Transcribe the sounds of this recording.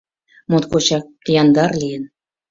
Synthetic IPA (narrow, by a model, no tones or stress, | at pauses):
mot̪kot͡ɕɑk̚jɑnd̪ɑrlʲijə̆n